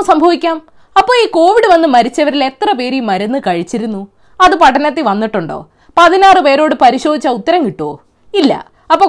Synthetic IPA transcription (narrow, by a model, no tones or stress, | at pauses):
sɐmbʱɐʋikʲːaːm | ɐpːo̞ːiːko̞ːʋiɽɨʋɐnːɨmɐɾit͡ɕːɐʋɐɾilet̪rɐpe̞ːɾijumːɐɾɐnːɨkɐɻit͡ɕːiɾunːu | ɐðɨpɐʈʰːɐnɐt̪ːiʋɐnːiʈːuɳɖo̞̰ː | pɐðinaːrɨpe̞ːɾo̞ːɽɨpɐɾiɕo̞ːd̪ʱit͡ɕːɐut̪ːɐɾɐŋkiʈːo̰ː | ilːɐ̰ | ɐpːo̞ː